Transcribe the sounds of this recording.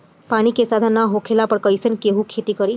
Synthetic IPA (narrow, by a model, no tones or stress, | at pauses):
pañikesad̪ʱanaɦokʰelapəɾkəjsənkeɦũkʰet̪ikəɾi